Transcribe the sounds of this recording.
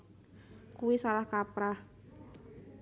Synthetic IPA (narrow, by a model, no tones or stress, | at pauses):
kuwisalahkapɾah